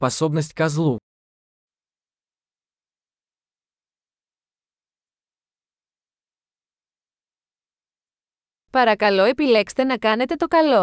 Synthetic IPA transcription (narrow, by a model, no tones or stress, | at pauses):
pɐsobnɐs̬t̪i̥kɐzlˠu | pɐɾɐkɐlo̞e̞pile̞kst̪e̞nɐkɐne̞t̪e̞t̪o̞kɐlo̞